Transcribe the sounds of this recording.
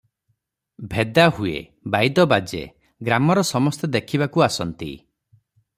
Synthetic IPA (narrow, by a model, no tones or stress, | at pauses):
bʱed̪ahuḛ | bajd̪ɔbad͡ʒḛ | ɡɾamɔɾɔsɔmɔst̪ed̪ekʰibakuasɔnt̪ḭ